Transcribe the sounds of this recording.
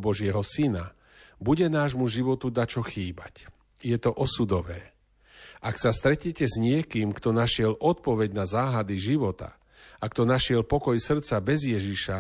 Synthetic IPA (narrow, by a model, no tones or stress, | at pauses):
bɔʒɪɛɦɔsina | buɟɛnaːʒmuʒiʋɔt̪ud̪at͡ʃɔxiːbac | jɛt̪ɔʔɔsud̪ɔʋɛː | ʔaksast̪ɾɛcɲɛcɛzɲɪɛkiːmkt̪ɔnaʃɪɛlʔɔt̪̚pɔʋɛɟnazaːɦad̪iʒiʋɔt̪a̰ | akt̪ɔnaʃɪɛlpɔkɔjsr̩t̪t͡sabɛzjɛʒiʃa